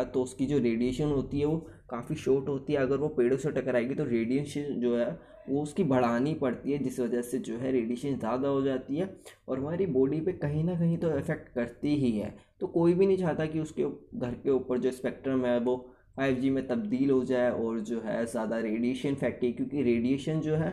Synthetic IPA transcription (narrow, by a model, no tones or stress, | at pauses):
at̪oʊskid͡ʒoːɾeːɖijeːʃənɦoːt̪iɦɛʋo | kaːfiʃɔːʈɦoːt̪iɦɛɐɡəɾʋopeːɽõseʈɐkəɾaːeɡit̪oɾeːɖijənʃd͡ʒoːɦɛ | ʋoʊskibʱɐɽ̤aːnipɐɽt̪iɦɛd͡ʒɪsʋɐd͡ʒəsed͡ʒoːɦɛɾeːɖeːʃənzjaːd̪aɦod͡ʒaːt̪iɦɛːɔːɾɦʋɐãːɾiboːɖipekɐɦĩnɐk̬ɐɦĩt̪oɪfɛk̚ʈkɐɾt̪iɦiɦɛ̰ːt̪oːkoːibʱinɐ̃ɦĩt͡ʃaːt̪akiʊskeɡʱɐɾkeuːpəɾd͡ʒoːɪspɛːk̚ʈɾəmɦɛʋo | faːɪʋd͡ʒimẽt̪ɐb̚d̪iːlɦod͡ʒaːeɔːɾd͡ʒoːɦɛzjaːd̪aɾeːɖijeːʃənfʰɛːk̚ʈiɛkjõːkiɾeːɖijeːʃənd͡ʒoːɦɛː